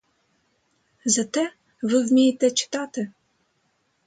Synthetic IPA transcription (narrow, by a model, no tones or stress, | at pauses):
zɐt̪ɛ | ʋɪwmʲijet̪ɛt͡ʃɪ̥t̪at̪ɪ